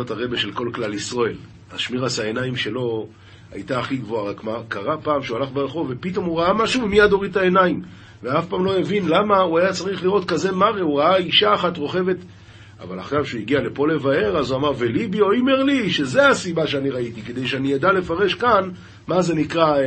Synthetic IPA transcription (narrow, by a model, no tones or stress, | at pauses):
otaʁe̞beʃe̞lko̞lklalisʁoel | a̰ʃmiʁasae̞naimʃe̞lo̞ | a̰jtaːχiɡvo̞aʁakmakaʁapaːmʃeualaχbeʁeχo̞ve̞pito̞muʁaamaʃuvimijad̪o̞ʁitae̞naim | veafpaːmlo̞evinlamauajat͡saʁiχliʁo̞t̪kaze̞maʁeuʁaaiʃaːχatʁo̞χe̞ve̞t̪ | a̰va̰la̰χʃavkʃeuiɡiale̞po̞le̞vae̞ʁazuamaʁvelibio̞imeʁliʃe̞zeasibaʃeaniʁaitiked̪e̞jʃeanijad̪ale̞faʁe̞ʃkan | maze̞nikʁa